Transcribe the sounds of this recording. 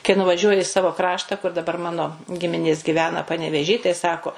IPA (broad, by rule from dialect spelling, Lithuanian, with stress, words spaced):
kɐɪ nʊʋɐˈʒʲuɔjɪ ɪ ˈsɑːʋoː ˈkrɑːʃtɐ kʊr dɐˈbɐr ˈmɑːnoː ˈɡʲɪmʲɪnʲeːs ɡʲɪˈʋʲæːnɐ pɐnʲɛʋʲeːˈʒʲiː tɐɪ ˈsɑːkoː